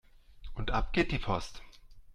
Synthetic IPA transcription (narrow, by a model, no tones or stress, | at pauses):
ʔʊntʔap̚ɡ̥eːt̚d̥iːpʰɔst